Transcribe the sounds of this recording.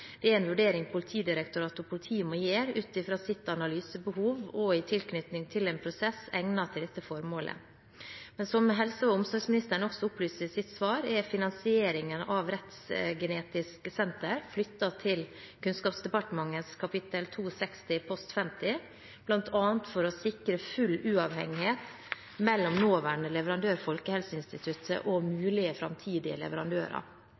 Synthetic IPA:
d̪̥ɛæɾɛnʋʉɖeːɾɪŋpʰʊlɪt̪ʰiːd̪ɪɾɛk̚t̪ʊɾɑːt̪ʊpʰʊlɪt̪ʰiːmoːjeːɾʉːt̪ɪfɾɑːsɪt̪ːɑnɑlyːsəbəhuːʋɔɪt̪ʰɪlknʏt̪nɪŋt̪ʰɪleːnpʰɾʊsɛsɛŋnɑt̪ʰɪld̪ɛt̪ːəfɔɾmoːlʔə̰ | mɛnsɔməɦɛlsəɑʊmsɔɾɡsmɪnɪst̪əɳɔksɔʊplyːsəsɪt̪sʋɑːɾɛɾfɪnɑnsɪeːɾɪŋənɑʋɾɛt̪sɡɛneːt̪ɪskəsɛnt̪əɾflʏt̪ːɑt̪ʰɪl | kʰʉnskɑːpsd̪ɛpɑʈəmɑŋːənskʰɑpʰɪt̪əlt̪ʰuːsɛkst̪ɪpʰɔst̪fɛmt̪ɪ | b̥lɑnt̪ʰɑːnt̪fɔɾɔsɪkɾəfʉlːʉːɑʋhɛ̰ŋːɪheːt̪ | mɛlːɔmnoːʋæːɳəlɛʋəɾɑnd̪øːɾfɔlkəhɛlsəɪnst̪ɪt̪ʰʉt̪ʰə̰ʔɔmʉːlɪəfɾɑ̰mt̪ʰiːd̪ɪə̰lɛ̰ʋəɾɑnd̪ø̰ːɾɑ̰

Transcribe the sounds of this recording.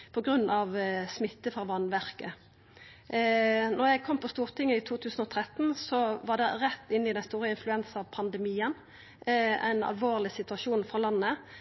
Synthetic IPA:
pʰɔɡʁʉnːɑʋsmɪt̪ːəfʁɑʋɑnʋæʁkə | nɔʁjæɪɡkʰɔmːpʰɔst̪uːʁt̪ʰɪŋːəɪt̪ʰuːt̪ʰʉːsən̩ɔt̪ʰʁɛt̪ːn̩sɔʋɑd̪ɛʁɛt̪ːɪnːɪd̪ɛnst̪uːɾəɪnflʉɛnsəɑʋpʰɑnd̪ɛmiːən | æ̰ɪnɑ̰lʋoːʁlɪsɪt̪ʉɑʃuːnfʁɑlɑnːə

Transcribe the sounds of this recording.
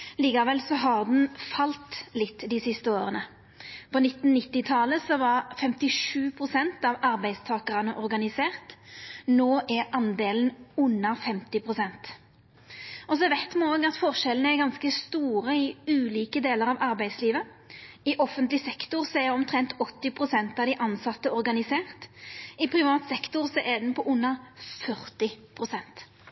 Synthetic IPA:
liːkɑʋɛlsɔɦɑʁd̪n̩fɑlt̪lɪt̪ːd̪ɪsɪst̪əoːʁənə | pʰɔnɪt̪ːn̩nɪt̪ːɪt̪ʰɑləsɔʋɑʁfɛmt̪ɪʂʉːpʰʁʊsɛnt̪ɑʋɑɾbæɪd̪st̪ʰɑːkəʁɑnəʔɔɾɡɑnɪseːʁt̪noːʔæɾʔɑnd̪eːln̩ʉnːɑfɛmt̪ɪpʰʁʊsɛnt̪ | ɔsɔɛʋɛt̪mɛoːɡɑt̪fɔʁʃɛlənəæɾɡɑnskəst̪uːʁəɪʉːliːkəd̪eːləɾɑʋɑɾbæɪd̪sliːʋə | ɪʔɔfənt̪lɪsɛkt̪ʊʁsɔɛɾɔmt̪ʰʁɛnt̪ʰɔt̪ːɪpʰʁʊsɛnt̪ɑʋd̪ɪʔɑnsɑt̪ːəɔɾɡɑnɪseːʁt̪ɪpʰɾɪʋɑːt̪sɛkt̪ʊʁsɔʔɛd̪npʰɔʔʊnːəfœʁt̪ɪpʰʁʊsɛnt̪

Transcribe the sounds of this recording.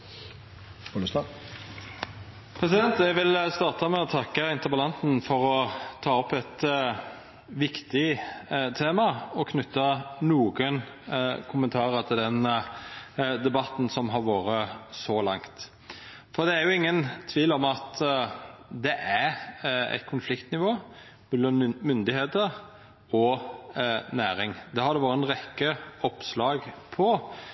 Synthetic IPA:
ɔst̪ɑ | pʰɾɛsɪd̪ɛnt̪jɛɡʋɪlst̪ɑːʁt̪ɑmɛɔt̪ʰɑkːəɪnt̪əɾbəlɑnsn̩fɔɾɔt̪ʰɑːɔpːɛt̪ | ʋɪkt̪ɪt̪ʰeːmɑɔkʰnʏt̪ːɑnuːɡən | kʰʊmənt̪ʰɑːɾət̪ʰɪld̪ɛn | d̪ɛbɑt̪n̩sɔmɦɑɾʋoːɾəsɔlɑŋt̪ | fɔɾd̪ɛæɾjʊɪŋːənt̪ʰʋiːlɔmɑt̪ | d̪ɛʔæɾæ̰ɪt̪̚kʰʊnflɪkt̪nɪʋoː | mɛlːɑnmʏnd̪ɪheːt̪əɾ | ɔ | næːɾɪŋd̪ɛhɑɾd̪ɛʋɑːɾəɛnɾɛkːəɔpslɑːɡpʰɔ

